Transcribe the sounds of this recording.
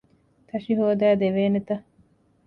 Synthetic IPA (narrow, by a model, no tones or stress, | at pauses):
t̪ʰɐʃiɦoːd̪æːd̪eʋeːnet̪ɐ